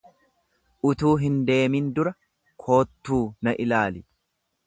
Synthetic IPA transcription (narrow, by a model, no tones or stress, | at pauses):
ʔʊt̪uːɦɪnd̪e̞ːmind̪ʊɾɐ | kʰo̞ːt̪ːuːnɐʔɪlaːli